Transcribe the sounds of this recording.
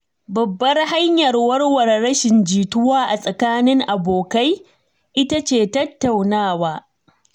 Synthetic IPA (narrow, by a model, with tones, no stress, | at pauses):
bɐ˨bːɐ˦rha˦ɲjɐ˨rwɐ˦rwɐ˨rɽɐ˦ʃɪ˨nd͡ʒiː˨tʊ˦waː˦ʔa˨sʼɐ˨kaː˦nɪ˦ŋʔa˨boː˨ka˦j | ʔɪ˦ta˦t͡ʃeː˨tɐ˦tːa˨wnaː˦˨waː˦